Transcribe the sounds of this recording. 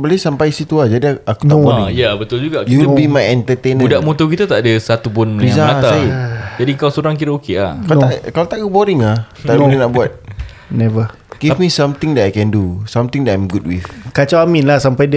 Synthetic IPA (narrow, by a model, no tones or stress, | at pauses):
bəlesampajisit̪uad͡ʒadiakut̪abɔjabət̪ʊld͡ʒuɡakulbimajɛnt̪ət̪enəndaʔmõt̪okit̪at̪aʔadəsat̪ubʊnbis̬aasaaid͡ʒadikawsoɾaŋkiɾəokeahkat̪akalaot̪aʔɡubɔɾɪŋah̪abuninaʔbuat̪̚ | nɛvə | ɡ̥ifmisãmt̪ɪŋdaajkɛndusamt̪ɪŋdajmɡud̚wiθkat͡ʃaaminlasampajdi